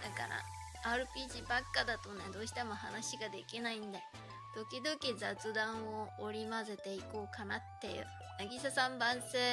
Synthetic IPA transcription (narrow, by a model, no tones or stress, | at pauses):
d̪̥aka̰ɾa̰ | aːɾɯ̟pʲiːʑibakːad̪at̪o̞ne̞d̪o̞ːɕi̥t̪e̞mo̞hanaɕiɡad̪e̞kʲinaĩnd̪e | d̪̥o̞kʲid̪o̞kʲizat͡sɨd̪ãɰ̃o̞ːɾʲimase̞t̪e̞iko̞ːkanat̪ːe̞̰jɯ̰ | naɡʲisasãmbãɰ̃se̞ː